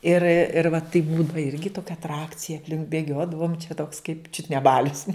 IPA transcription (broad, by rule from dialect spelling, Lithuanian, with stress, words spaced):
ɪr ɪr ʋɐ tɐɪp ˈbuːdɐʋɐ ˈɪrʲɡʲɪ ˈtoːkʲɛ ɐtˈrɑːkt͡sʲɪjɛ ɐpʲˈlʲɪŋk bʲeːˈɡʲoːdɐʋoːm t͡ʃʲɛ toːks kɐɪp ˈt͡ʃʲʊt nʲɛ ˈbɑːlʲʊs